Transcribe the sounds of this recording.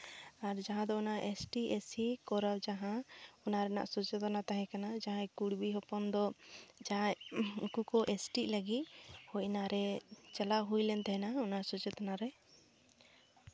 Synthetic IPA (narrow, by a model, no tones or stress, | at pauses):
aɾd͡ʒaɦãd̪ɔɔnaʔesʈiesikɔɾawd͡ʒaɦãɔnaɾɛna̰ʔsɔt͡ʃɛt̪ɔnat̪aɦɛ̃kanad͡ʒaɦãkuɽbiɦɔpɔnd̪ɔd͡ʒaaukukɔʔesʈiləɡit̪̚hɔjnaɾɛt͡ʃɛlaɦujlɛnt̪aɦɛnaɔnasɔt͡ʃɛt̪anaɾɛ